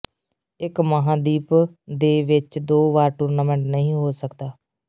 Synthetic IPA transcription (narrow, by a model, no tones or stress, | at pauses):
ɪkməɦãːd̪iːpd̪eːʋɪt͡ʃd̪oːʋaːɾʈuːɾnaːmɛ̃ːɳʈnəɦĩːɦoːsəkd̪aː